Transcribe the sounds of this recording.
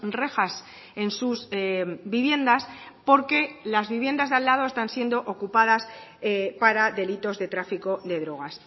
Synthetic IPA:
re̞xas | e̞nsusbiβje̞nd̪aspo̞ɾke̞lazβiβ̞je̞nd̪azðalːað̞o̞e̞st̪ansje̞nd̪o̞ʔokupað̞aspaɾaðe̞lit̪o̞zðe̞t̪ɾafiko̞ðe̞ðɾo̞ɣ̞as

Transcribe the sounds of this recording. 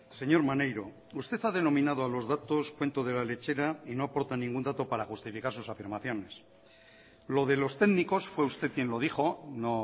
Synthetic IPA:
se̞ɲo̞ɾmanejɾo̞ | ust̪e̞θaðe̞no̞mĩnað̞oalo̞zðat̪o̞skwe̞nt̪oð̞e̞lale̞t͡ʃe̞ɾaino̞apo̞ɾt̪anĩŋɡund̪at̪o̞paɾaxust̪ifikaɾsusafiɾmaθjo̞ne̞s | lo̞ðe̞lo̞st̪e̞ɣniko̞sfwe̞ust̪e̞ð̚kje̞nlo̞ðixo̞no

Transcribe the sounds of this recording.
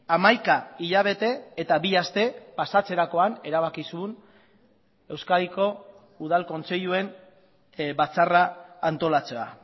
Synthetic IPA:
amajkaiʎaβ̞e̞t̪e̞ːt̪aβiast̪e̞pasat͡se̞ɾako̞ane̞ɾaβ̞akisun | e̞wskaɾiko̞ | uð̞alko̞nt͡se̞ʎue̞n | bat͡saraːnt̪o̞lat͡se̞a̰

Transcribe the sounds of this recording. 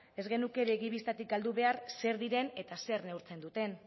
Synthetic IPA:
e̞zɣe̞nuke̞βeɣiβist̪at̪ik̚ɡald̪uβ̞e̞aɾse̞ɾðiɾene̞t̪ase̞ɾne̞uwɾt͡se̞nd̪ut̪e̞n

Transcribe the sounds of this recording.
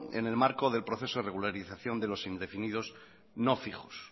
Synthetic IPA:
ḛne̞lmaɾkoðe̞lpɾo̞θe̞soðereɣulaɾiθaθjo̞nd̪e̞lo̞sind̪e̞finið̞o̞s | no̞fiχos

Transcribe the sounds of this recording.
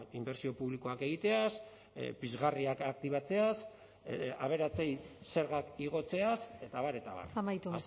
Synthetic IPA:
imbe̞ɾsio̞puβliko̞ake̞ɣ̞it̪e̞as | pizɣariakak̚t̪iβat͡se̞as | aβ̞e̞ɾat͡se̞jse̞ɾɣakiɣ̞o̞t͡se̞ase̞t̪aβaɾe̞t̪a̰βa̰ɾamajt̪u

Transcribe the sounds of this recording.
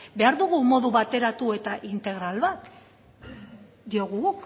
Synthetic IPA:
be̞aɾðuɣumo̞ðuβat̪e̞ɾat̪ue̞t̪aʔint̪e̞ɣ̞ɾalβat̪ | d̪io̞ɣ̞uɣuk

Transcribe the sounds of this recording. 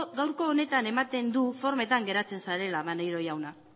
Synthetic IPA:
ɡawɾko̞ːne̞t̪ane̞mat̪e̞nd̪ufo̞ɾme̞t̪aŋɡe̞ɾat͡se̞nsaɾe̞laβanejɾo̞jawna

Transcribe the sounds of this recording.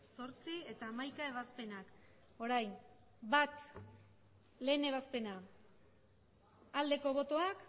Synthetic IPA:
so̞ɾt͡sie̞t̪aːmajkae̞β̞aspe̞nak | o̞ɾajn | bat̪ | le̞ːne̞β̞aspe̞na | ld̪e̞ko̞β̞o̞t̪o̞ak

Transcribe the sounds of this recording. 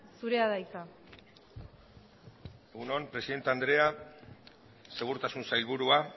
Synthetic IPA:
suɾe̞aðajt͡sa | e̞ɣunompɾe̞siðe̞nt̪eand̪ɾe̞a | se̞ɣ̞uɾt̪asunsajlβuɾua

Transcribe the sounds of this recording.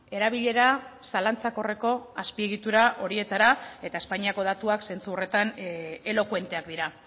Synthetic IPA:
e̞ɾaβ̞iʎe̞ɾasalant͡sako̞re̞ko̞aspie̞ɣ̞it̪uɾaʔo̞ɾie̞t̪aɾae̞t̪ae̞spaɲiako̞ð̞at̪uakse̞nt͡suore̞t̪ane̞lo̞kwe̞nt̪e̞akd̪iɾa

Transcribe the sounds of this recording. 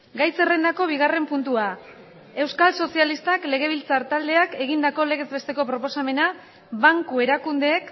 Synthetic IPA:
ɡajse̞re̞nd̪ako̞β̞iɣ̞are̞mpunt̪ua | e̞wskalso̞sialist̪akle̞ɣ̞e̞β̞ilt͡saɾt̪ald̪e̞ake̞ɣind̪ako̞le̞ɣ̞e̞zβe̞st̪e̞ko̞pɾopo̞same̞na | βaŋkue̞ɾakund̪e̞ːk

